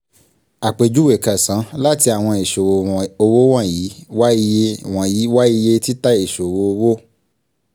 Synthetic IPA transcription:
a˨k͡pe˨d͡ʒu˦we˨ka˨sã˨˦la˦ti˧a˨w̃ɔ̃˧e˨ʃo˨wo˨o˧wo˦w̃ã˦˨ji˨˦wa˦i˧je˧wã˨ji˨˦wa˦i˧je˧ti˦ta˦e˨ʃo˨wo˧o˧wo˦

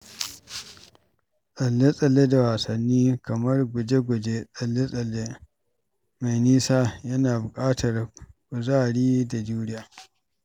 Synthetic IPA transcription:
sʼɐ˨lːe˦sʼɐ˨lːe˦da˨waː˨sɐ˨nːiː˦kɐ˨mɐ˦rɡʷʊ˨d͡ʒe˦ɡʷʊ˨d͡ʒe˦sʼɐ˨lːe˦sʼɐ˨lːe˦ | ma˨jniː˦saː˦jɐ˦naː˨bʊ˨kʼaː˦tʰɐ˨rkʷʊ˨zaː˦˨ɽiː˦da˨d͡ʒuː˦ɽɪ˦jaː˨

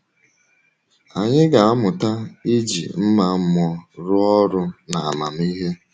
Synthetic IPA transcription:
a˨ɲɪ˦ɡa˨a˦mʊ˨ta˦i˦d͡ʒḭ˨m̩˦ma˦m̩˦mɔ˦ɾʊ˦ɔ˦ɾʊ˦na˨a̰˨ma˨m˦i˦ɦe˦

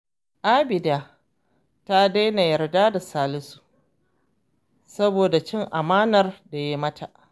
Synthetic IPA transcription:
ʔa˦bɪ˨daː˦ | ta˦da˦jna˨jɐ˨rdaː˦da˨saː˦lɪ˦su̥˦˨ʔ | sɐ˦boː˨da˨t͡ʃɪ˦ŋʔa˨maː˦nɐ˨rda˨jaː˦mɐ˦tʰa̰˨ʔ

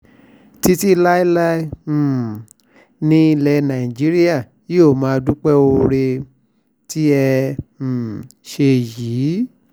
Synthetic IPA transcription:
ti˧ti˦˧la˦i˦la˦˨ | nĩ˧i˧lɛ˧nã˨i˨d͡ʒi˨˦ɾi˦a˦˨ | ji˦o˦˨mã˨˦˧du˦k͡pɛ˦o˧ɾe˧ | ti˦ɛ˧˨ | ʃe˧jiː˨˦

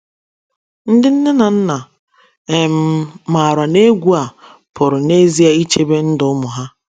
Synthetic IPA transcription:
n̩˦dɪ˦n̩˦ne˦na˨n̩˦na˨ | e˨m̩˨˦ma˨ɾa˨ne˦ɡʷu˦a˨ | pʰʊ˨ɾʊ˨ne˦zi˦a˨i˦t͡ʃe˦be˦n̩˦dʊ˨˦mʊ˨ɦa˦

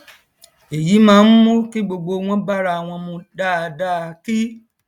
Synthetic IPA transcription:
e˨ji˨˦mãː˦˧n̩˦mũ˦ki˦ɡ͡bo˧ɡ͡bo˧w̃ɔ̃˦ba˦ɾa˧a˨w̃ɔ̃˧mũ˧da˦˧da˦˧ki˦

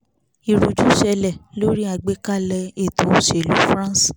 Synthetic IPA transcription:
i˨ɾu˨d͡ʒu˦ʃɛ˧lɛ˦˨lo˦ɾi˦a˦˨ɡ͡be˨˦ka˦˨lɛ˧e˦˨to˧˨ʃe˨lu˨˦fɾã˦s

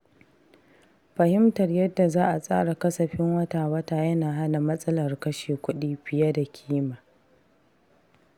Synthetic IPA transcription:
ɸɐ˨hɪ˦mtɐ˨rjɐ˦dːa˨zaː˦ʔa˨sʼa̰ː˦ɽa˨kɐ˦sɐ˨ɸɪ˦ŋwɐ˦taː˨wɐ˦taː˨jɐ˦naː˨ɦa˦na˨mɐ˦sʼɐ˦lɐ˨rkɐ˦ʃeː˨kʷʊ˦ɗiː˦ɸɪ˨ja˦da˨kʲʰiː˦maː˨

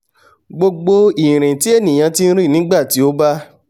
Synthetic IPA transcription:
ɡ͡bo˧ɡ͡bo˧i˨ɾ̃ĩ˨ti˨˦e˦˨nĩ˨j̃ã˧ti˦n̩˦ɾĩ˦˨nĩ˨˦ɡ͡ba˦˨ti˨˦o˦ba˦

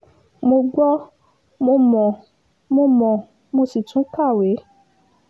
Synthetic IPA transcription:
mo˧ɡ͡bɔ˦ | mo˧mɔ̃˨ | mo˧mɔ̃˨ | mo˧si˨tũ˨˦ka˦˨we˨˦

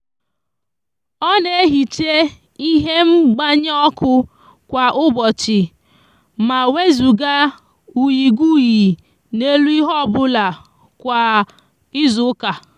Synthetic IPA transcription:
ɔ˦ne˦˨˦ɦi˨t͡ʃe˦ | i˦ɦe˦m̩˦ɡ͡ba˦ɲ˦ɔ˦kʊ˦ | kʷa˨ʔʊ˦bɔ˨t͡ʃɪ˨ | ma˨we˦zu˨ɡa˦ | u˨ji˨ɡu˦ji˨ | ne˦lu˦i˦ɦɔ˦˨bʊ˦la˨ | kʷa˨ | ɪ˦zʊ˨˦ka˨

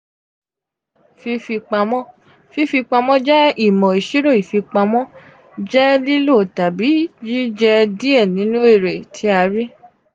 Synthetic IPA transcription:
fi˧fi˧k͡pa˧mɔ̃˦ | fi˧fi˧k͡pa˧mɔ̃˦d͡ʒɛ˦i˦˨mɔ̃˨i˨ʃi˦ɾo˦˨i˨fi˧k͡pa˧mɔ̃˦ | d͡ʒɛ˦li˦lo˦˨ta˨bi˨˦d͡ʒi˦d͡ʒɛ˧di˦ɛ˦˨nĩ˨˦nũ˦e˦˨ɾe˨tʰi˨˧˦a˧ɾi˦

